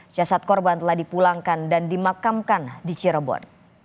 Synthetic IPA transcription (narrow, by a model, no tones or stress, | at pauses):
t͡ʃasat̪̚kɔrbant̪əlahdipulaŋkandandimakamkandit͡ʃiɾəbɔ̰n